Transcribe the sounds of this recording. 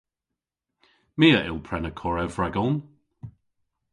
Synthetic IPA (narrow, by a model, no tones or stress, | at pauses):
miːəʔɪ̰lˠpʰɹɛnəkʰɔɹɛvɹɛɡɔn